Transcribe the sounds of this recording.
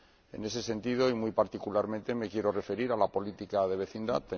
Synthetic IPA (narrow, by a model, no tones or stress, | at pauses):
e̞̰ne̞s̬e̞se̞nt̪ið̞o̞imujpaɾt̪ikulaɾmẽ̞nt̪e̞me̞kje̞ɾore̞fe̞ɾiɾalapo̞lit̪ikaðe̞βe̞θind̪a̰t̪e